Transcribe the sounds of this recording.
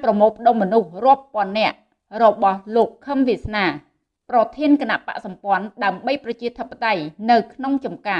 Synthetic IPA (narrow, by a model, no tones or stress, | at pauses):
prɑmoːlpʰə̆ɗoːmːɔnuhrŏəpːŏənːɛ̆əʔ | rɔɓɑhloːkʰːəmʋisnaː | prɑt̪ʰiənkənaʔpa̰ʔsɑmpŏənɗaəmɓəjprɑt͡ɕiət̪ʰəpːat̪ajnɨwkʰnoŋt͡ɕɑmkaː